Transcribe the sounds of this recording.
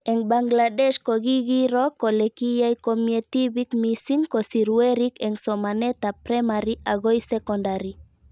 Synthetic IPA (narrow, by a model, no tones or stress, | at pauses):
eŋbaŋɡladeʃkoɣiɡiɾokolekijajkomiet̪iβikmisiŋkosiɾueɾikeŋsomanet̪apɾemaɾiʔaɣojsekondaɾi